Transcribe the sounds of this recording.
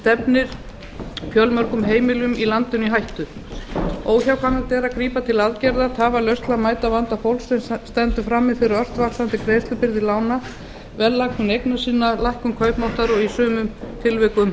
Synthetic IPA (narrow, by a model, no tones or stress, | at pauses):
st̪ɛpnɪɾ̥ | pjœlmœɾ̥kʏmɦeːjmɪlʏmilant̪ʏniɦajht̪ʏ | oːwçawkʰvanːat̪ɛːɾakɾiːpat̪ʰɪlaðcɛɾðat̪ʰaːvalœɥst̪lamaːjt̪avant̪afowlsɛmst̪ɛnt̪ʏfɾamːɪfɪɾɪɾœr̥t̪vaksant̪ɪkʰɾeːjst̪ʏpɪɾðɪlaːwna | vɛllːakʏnejknasiːnːalajhkʏmkʰœːɥpmowht̪aɾɔɣisʏːmʏmt̪ʰɪlvɛːkʏm